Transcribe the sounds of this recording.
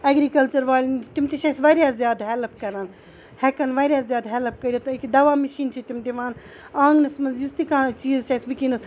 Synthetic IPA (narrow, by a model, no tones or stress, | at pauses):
ɐɡɾikɐlt͡ʃɐɾʋaːlʲnt͡ʃʰit̪umt̪eʃaːjsʋaːɾjaːzjaːd̪ɦɛlpkɐɾaːn | hɛkɐnʋaːɾʲjaːzʲjaːd̪ɦɛlp̚kɐɾʲaːt̪ːkd̪ɐʋaːmɐʃiːnt͡ʃʰit̪imt̪eʋãːn | ãːŋɡnɐsmɐnzjust̪ikãːt͡ʃiːzʃaːsbikĩːnd̪s